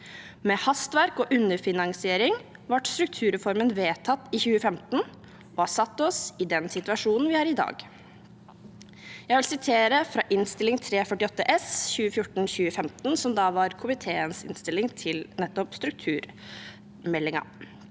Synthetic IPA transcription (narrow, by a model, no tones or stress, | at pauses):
meːhɑst̪ʋæɾkɔːʔʉnːəɾfɪnɑŋsɪeːɾɪŋ | ʋɑʈst̪ɾʉk̚t̪ʰʉːɾɛfɔɾmənʋeːt̪ʰɑt̪ːiçʉːəfɛmt̪n̩ | oːhɑsɑt̪ːɔsɪd̪ɛnsɪt̪ʉɑʂuːnn̩ʋɪhɑːɾɪd̪ɑ̰ːɡ | jæɡʋɪlsɪt̪ʰeːɾəfɾɑːʔɪnst̪ɪlɪŋt̪ʰɾeːfœʈɪɔt̪ːəʔɛsçʉːəfjʊʈn̩çʉːəfɛmt̪n̩sɔmd̪ɑːʋɑɾkʰʊmɪt̪ʰeːənsɪ̰nst̪ɪlːɪŋt̪ʰɪlnɛt̪ːɔpst̪ɾʉk̚t̪ʰʉːɾ | mɛlːɪŋɑ̰